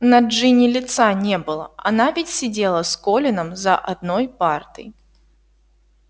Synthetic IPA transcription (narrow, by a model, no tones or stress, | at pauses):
nɐʐɨnʲɪlʲɪt̪sanʲɛbɨlˠə̰ɐnavʲɪtʲsʲɪd͡zʲelˠəskɔlʲɪnəmzɐʔad̪nɔjpart̪ɨ̰j